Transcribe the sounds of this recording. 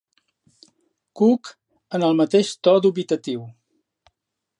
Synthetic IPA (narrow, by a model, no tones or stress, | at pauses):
kuk | ənəlˠmət̪eʃt̪ɔd̪uβit̪ət̪iw